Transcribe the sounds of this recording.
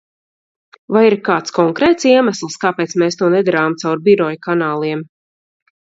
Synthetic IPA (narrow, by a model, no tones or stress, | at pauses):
vajiɾkaːt̪skɔŋkɾɛːt̪siɛmaslˠskaːpɛːt̪smɛːst̪uɔnɛd̪aɾaːmt̪sawɾbiɾɔjkanaːlˠiɛm